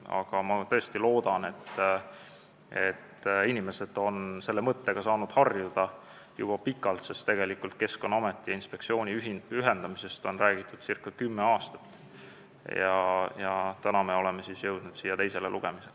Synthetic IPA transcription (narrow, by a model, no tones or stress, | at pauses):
ɑ̰ɡ̥ɑmɑt̪ɤ̞est̪ilo̞ːd̪̥ɑne̞t̪ː | e̞t̪ːinʲime̞sed̪̥o̞nse̞lːe̞mɤt̪ːe̞ɡ̥ɑsɑːnud̪̥hɑrjud̪̥ɑ | jṵb̥ɑpikːˑɑlt̪sest̪e̞ɡ̥e̞likːult̪̚ke̞sko̞nɑmet̪ːˑiɑinspe̞k̪̚sio̞ːnʲiyɦiyɦe̞nd̪̥ɑmise̞st̪o̞nræːɡ̥it̪ːˑud̪̥sirkːˑɑkymːeɑːst̪ɑ̥t̪ːˑ | jɑjɑt̪ænɑme̞o̞le̞me̞sisjɤwd̪̥nud̪siːjːɑt̪e̞jse̞lelʔuɡ̥e̞misel